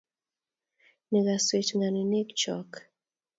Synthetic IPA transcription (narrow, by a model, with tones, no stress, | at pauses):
ne˨ɡa˨swe˨t͡ʃŋa˨ni˨ne˦kt͡ʃɔ̰˦k